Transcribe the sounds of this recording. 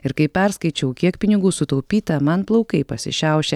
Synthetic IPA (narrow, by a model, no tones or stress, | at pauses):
ɪɾkɐɪpʲɛɾskɐɪt͡ʃʲɛʊkʲiɛkpʲɪnʲɪɡuːsʊt̪ɐʊpʲiːt̪ɐmɐnplˠɐʊkɐɪpɐsʲɪ̰ʃʲɛˑʊʃʲɛ